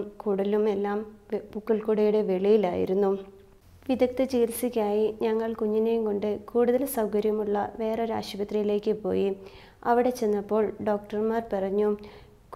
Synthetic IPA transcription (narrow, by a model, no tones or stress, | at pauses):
kuːɽlume̞lːaːmbukːɐlkuɽejuɽe̞ʋe̞ɭijila̰ːjḭɾunːu | ʋid̪ɐk̚t̪ɨt͡ɕiːlsikʲːaːjiɲɐŋːɐɭkuɲːine̞jumko̞ɳɖɨkuːɽuðɐlsɐwkɐɾjɐmuɭːɐʋe̞ːreɾa̰ːɕɐbɐt̪rijile̞ːkːɨpo̞̰ːji | ɐʋiɽe̞t͡ɕe̞nːɐpːo̞ːɭɖo̞ːkʈɐrmaːrpirɐɲːu